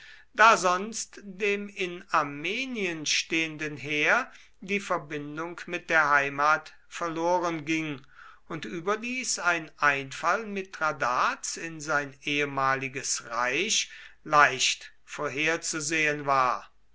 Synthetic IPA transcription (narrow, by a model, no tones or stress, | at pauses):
d̥aːzɔnstd̥eːmɪnaɐmeːniənʃteːəndənɦeːɐ | diːfɛɐbɪndʊŋkmɪt̚d̥eːɐɦaɪmaːt | fɛɐloːʁənɡɪŋ | ʊntʔyːbɐdiːsaɪnʔaɪnfalmɪtʁadaːsɪnzaɪnʔeːəmaːlɪɡəsʁaɪʃlaɪʃt | foːɐɦeːɐt͡suzeːənvaːɐ